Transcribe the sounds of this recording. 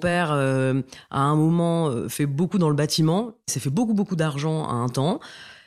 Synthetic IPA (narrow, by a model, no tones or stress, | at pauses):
ɔ̃pɛʁø | a̰ɛ̃mɔmɑ̃øfɛbokud̪ɑ̃ləbat̪imɑ̃sɛfɛbokubokud̪aʁʒɑ̃a̰ɛ̃t̪ɑ̃